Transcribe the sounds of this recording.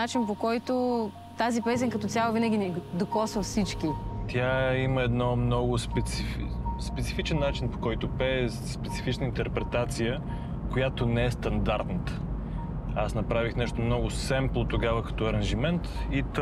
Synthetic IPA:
at͡ʃinpokɔjt̪o | t̪azipɛs̬ʲinkɐt̪ɔsʲjalˠovinɐɡʲinɛd̪okɔsvəfsit͡ʃkit̪ʲjaiməɛd̪nɔmnɔɡʊspɛt̪sifspɛt̪sifit͡ʃɛnːat͡ʃinpo̥kɔjt̪opɛ | spɛt̪si̥fit͡ʃnəint̪ɛɾpɾɛt̪at̪sijə | kojat̪onɛɛst̪ɐnd̪aɾt̪nət̪ə̥ | asnɐpɾavixnɛʃt̪omnɔɡʊssɛmplˠot̪oɡavəkɐ̥t̪ɔɐɾɐnʒimɛnt̪it̪

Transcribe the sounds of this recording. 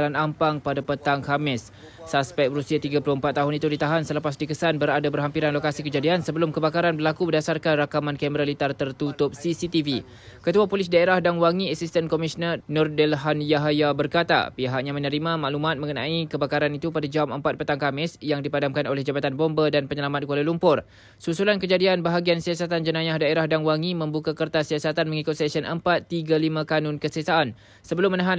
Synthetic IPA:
lanampaŋpadapət̪aŋkamɪsː | aspɛk̚bəɾusiat̪iɡaplʊhəmpat̪ːaɦʊnit̪udit̪aɦansələpasdikəsanbəɾadabərɦampiɾanlokasikəd͡ʒadiansəbəlʊmkəbakaɾanbərlakubərdasarkanrakamãnkɛməɾalit̪art̪ərt̪ut̪ʊp̚sisit̪ivi | kət̪uapolis̬daeɾahdanwaŋĩɛksist̪ənkomisnərnɔrdɛlɦanjaɦajabərkat̪a̰piɦaʔ̚ɲãmə̃nəɾimãmaʔlumat̪̚mə̃ŋənã̰ikəbakaɾanit̪upadad͡ʒauməmpat̪̚pət̪aŋkamɪsjaŋdipadamkanolɛhd͡ʒabat̪anbombədanpəɲəlamat̪̚kualalumpʊr | susulankəd͡ʒadianbaɦaɡiansiasat̪and͡ʒənãjahdaeɾahdaŋwaŋimə̃mbukakərt̪asiasat̪anməŋikʊt̪̚sɛksənʔəmpat̪ːiɡalimãkanʊnkəsəsaʔːn | səbəlʊmːənaɦan

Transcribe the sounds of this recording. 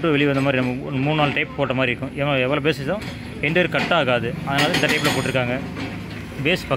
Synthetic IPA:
ʈrɯʋɛɭɪʋɐnd̪ɐmaːd̪ɾinɐmːɐmuːɳnaːlʈɐɪpːpoːʈːɐmaːd̪ɾɪɾɯkːʊ̃ʔɪʋɛʋːɐːɭɐp̬eːsɪt͡ʃːt̪ãː | ɛɳɖɯʋeːɾkɐʈːɐaːɣaːðɯɐðɐnaːlɐɪnd̪ɐʈɐɪpɪlɐpoːʈːɪɾɯkːaːŋɡɐ | beːsfɐ

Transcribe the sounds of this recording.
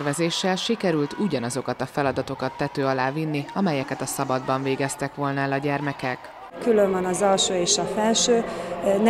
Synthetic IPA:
rvɛzeːʃːɛlʃikɛɾylt̪uɟɒnɒzo̞kɒt̪ɒfɛlɒd̪ɒt̪o̞kɒt̪ːɛt̪øːɒlaːvinːiɒmɛjɛkɛt̪ɒsɒbɒd̪bɒɱveːɡɛst̪ɛkʋo̞lnɒɛlɒɟɛrmɛkɛk | kyløɱvɒnɒzɒlʃoːeːʃɒfɛlʃøːn

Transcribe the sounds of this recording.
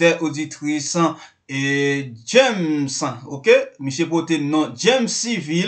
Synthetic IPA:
tɛʔodit̪ʁisã | ed͡ʒɛmsãokemiʃjep̬otenɔ̃d͡ʒɛmsivil

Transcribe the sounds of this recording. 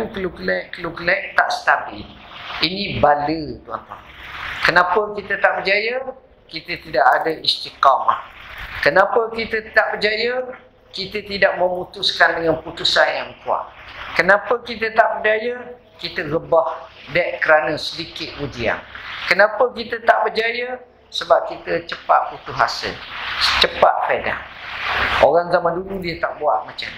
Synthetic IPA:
nkəlukəlɛʔkəlukəlɛʔ̚t̪aʔsə̥t̪abɪ̰linibalət̪ua̰nt̪a̰ | kənapəkit̪ət̪aʔbəd͡ʒajə | kit̪ət̪idaʔadəist̪ikapa̰hkənãpəkit̪ət̪aʔbəd͡ʒajə | kit̪ət̪idaʔməmut̪ʊskandəŋanput̪usanjaŋkua̰ʔkənãpəkit̪̬ət̪aʔbərd͡ʒajə | kit̪əɣəbahdɛʔkəɾanə̃sədikɪt̪̚ud͡ʒia̰ŋkənãpəkit̪ət̪aʔbərd͡ʒajə | səbap̚kit̪ət͡ʃəpa̰ʔ̚put̪uɦa̰sɪ̰lt͡ʃəpaʔ̪̚feda̰ŋ | o̰ɣaŋzamanduludiət̪aʔbua̰ʔ̪̚mat͡ʃam

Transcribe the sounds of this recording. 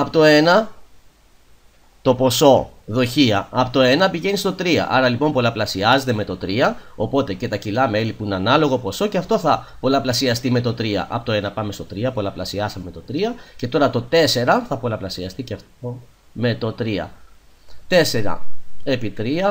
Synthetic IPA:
ɐpot̪o̞e̞nɐ | t̪opo̞so̞ðo̞çiɐɐpot̪o̞e̞nɐpiʝe̞nist̪o̞t̪ɾiɐ̰ʔɐɾɐlipo̞mpo̞lɐplɐsiɐze̞t̪e̞me̞t̪o̞t̪ɾiɐo̞po̞t̪e̞ce̞t̪ɐcilɐme̞lipuineɐnɐlo̞ɣo̞po̞so̞ceɐft̪o̞θɐ | po̞lɐplɐsiɐst̪ime̞t̪o̞t̪ɾiɐ̰ʔɐ̰pot̪oenɐpɐmest̪o̞t̪ɾiɐpo̞lɐplɐsiɐsɐmemet̪o̞t̪ɾiɐce̞t̪o̞ɾɐt̪o̞t̪e̞se̞ɾɐθɐpo̞lɐplɐsiɐst̪iceɐft̪o | me̞t̪o̞t̪ɾiɐ̰ | t̪e̞se̞ɾɐ̰e̞pit̪ɾiɐ

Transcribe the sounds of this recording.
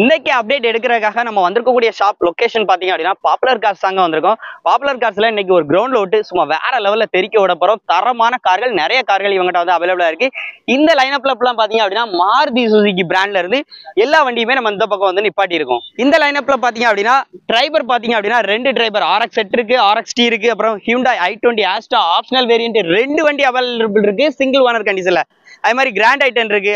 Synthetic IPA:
ɪnd̪ɐkʲːɯɐp̚ɖeːʈɛɽɯk̬ːɪɾɐðɯkːaːɣɐnɐmːɐʋɐnd̪ɯɾɯkːɐkːuːɽɪjɐʂaːp̚lɔkeːʂɐnpaːɾt̪iːŋɐpɽɪnːaːpaːpɯlɐɾkaːɾsaːŋɡɐʋɐnd̪ɯɾɯkːʊ̃paːpɯlɐɾkaːɾsɪlɐ̃ɪnːɛk̬ːɯɔɾɯɡɾɐʊɳɖloːʈːɯsʊmːaːʋḛːɾɐlɐʋɐllɐt̪ɛɾɪkʲːɐʋɔɽɐpːɐɾʊ̃t̪ɐɾɐmaːnɐkaːɾɣɐɭnɪɾɐjɐkaːɾɣɐɭɪʋɐŋɡɐʈːãʋɐnd̪ɯɐʋɐlɐʋɭaːɪɾɯkːɯɪnd̪ɐlɐɪnɐp̬ːlɐp̬ːlãːpaːɾt̪iːŋɡɐpːɐɽɪnːaːmaːɾd̪is̬usik̬ːibɪɾaːɳɖlɐɪɾɯnd̪ɯɛlːaːʋɐɳɖɪjɯmeːnɐmɐɪnd̪ɐp̬ːɐkːɐ̃ʋɐnd̪ɯnɪpːaːʈ̬ːɪɪɾɯkːʊ̃ɪnd̪ɐlɐɪnɐpːɯlɐpaːɾt̪̬iːŋɡɐpːɽɪnːaːɖɾɐɪbɐɾpaːɾt̪iːŋɡɐpːɐɽɪnːaːɾɛɳɖɯʈɾɐɪbɐɾaːɾɛksɛʈːɪɾɯk̬ːɯaːɾɐksʈiɪɾɯkːɯɐpːɯɾɔ̃hjuːɳɖaːɐɪʈːoːɳʈiaːsʈaːaːpʂɐnɐlʋeːɾɪjɐɳʈɯɾɛɳɖɯʋɐɳɖiɐʋɐlɾpːɭɾɯk̬ːɯsɪŋɡɐlʋɐnɐɾkɐɳɖis̬ɪlːɐ | ɐðːɐmaːd̪ɾiɡɪɾaːɳɖɐɪʈːɐnɪɾɯk̬ːɯ

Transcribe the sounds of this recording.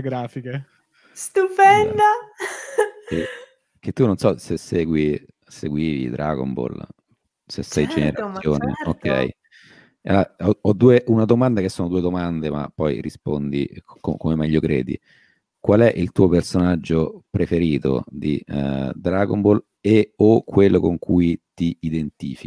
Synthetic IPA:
ɡɾaːfike | st̪upɛnd̪a | e | k̟et̪ːunonsɔsesːɛːɡwi | seɡwiːvḭd̪ɾʔa̰ɡo̰mbo̰l | sesːɛjd͡ʒeneɾasjonḛokːɛ̰j | aɔɔd̪ːuːeʔunad̪omand̪akesːoːnod̪uːed̪omand̪ema̰pːɔjɾḭspo̰nd̪ḭkokomemɛʎːokɾɛ̰ːd̪ḭ | kwalɛʔilt̪uːopersonad͡ʒːopɾefeɾiːt̪o̰d̪ḭd̪ɾaɡombol | eokʰːwelːokoŋkʰujt̪iid̪ent̪iːfi

